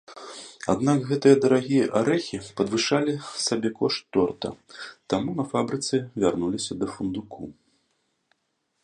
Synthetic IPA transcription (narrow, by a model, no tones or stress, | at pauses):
a̰d̪nakɣɛt̪ɨjɐd̪ɐɾaɣʲijɐʔaɾɛxʲipɐd̪vɨʂalʲisabʲɛkɔʂt̪ːɔrt̪ɐ̰t̪amunɐfabɾɨt̪sɨvʲarnulʲisʲɐd̪ɐfund̪ukʰṵ